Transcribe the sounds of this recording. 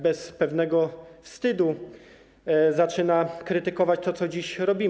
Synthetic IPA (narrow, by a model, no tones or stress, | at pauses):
bɛspɛvnɛɡɔfst̪ɘd̪u | zat͡ʂɘnakɾɘt̪ɘkɔvat͡ɕt̪ɔt̪sɔd͡ʑiɕɾɔbʲi